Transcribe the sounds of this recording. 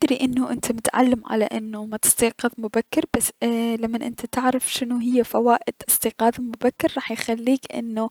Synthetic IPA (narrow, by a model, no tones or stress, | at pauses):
d̪ɾiʔɪnːʊʔɪnt̪ʰamʊt̪ʕa̰lːamʕa̰la̰ʔɪnːʊmat̪ɪ̥sˤt̪iːqɨðˤmʊbakːɪɾbasːlamːanʔɪ̰nt̪ʰat̪ɪʕɾafʃɪnuɦɪjːafawaːʔɪd̪ɪsˤt̪iːqɑːðˤalmʊbakːɪɾˤɾˤɑːħjxalːiːkʔɪ̰nːu